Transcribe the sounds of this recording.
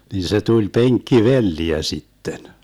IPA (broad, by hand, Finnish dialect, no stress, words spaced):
nin se tulʲ peŋkːiʋelːiæ sitːen